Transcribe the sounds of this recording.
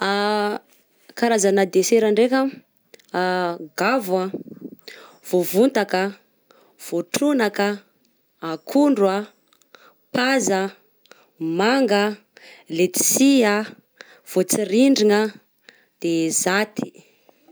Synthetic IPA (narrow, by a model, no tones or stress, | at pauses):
a | kaɾazanəd̪eseɾaɳɖ͡ʐekʲə | ɡavə | v̥ovunt̪akə | v̥oʈ͡ʂunakəː | kʰuɳɖ͡ʐwa | pazə | maŋɡə | let̪i̥siə | v̥ot͡siɾiɳɖ͡ʐiŋə | d̪̥ezat̪ʰi̥